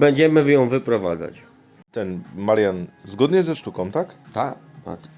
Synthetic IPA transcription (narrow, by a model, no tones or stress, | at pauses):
bɛɲd͡ʑɛmɘjɔ̃w̃vɘpɾɔva̰d̪za̰t͡ɕ | t̪ɛnmaɾjanzɡɔd̪ɲɛzɛʂt̪ukɔ̃w̃t̪akt̪ak̪a̰k